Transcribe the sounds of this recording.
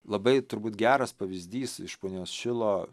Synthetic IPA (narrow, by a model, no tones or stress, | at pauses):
lˠɐbɐɪt̪ʊɾbuːt̪ɡʲæːɾɐspɐʋʲɪzʲd̪ʲiːsɪʃpoːnʲoːsʃʲɪlˠoː